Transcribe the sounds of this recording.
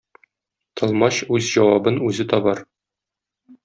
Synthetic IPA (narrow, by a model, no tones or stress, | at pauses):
t̪ʰɤ̆lˠmɑɕʉzʑɒwɑbɤnʉzɘt̪ɒbɑɾ